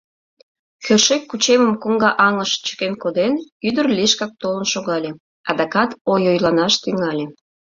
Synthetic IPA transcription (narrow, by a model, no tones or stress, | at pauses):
xøʃekːut͡ɕeməmkoŋɡɑʔɑŋəʃt͡ɕə̥kenkod̪enyd̪ərliʃkɑk̚t̪olənʃoɣɑlʲe | ɑd̪ɑkɑt̪ojojlɑnɑʃt̪yŋɑlʲe